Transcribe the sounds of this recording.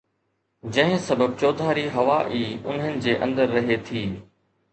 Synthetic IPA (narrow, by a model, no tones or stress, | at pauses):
d͡ʑɐ̃ɦɪ̃sɐbəb̚t͡ɕoːd̪ʱaːɾiɦɐʋaːʔiːʊn̤ɦənɪ̆d͡ʑeːʔɐ̃nd̪əɾːɐɦet̪ʰiː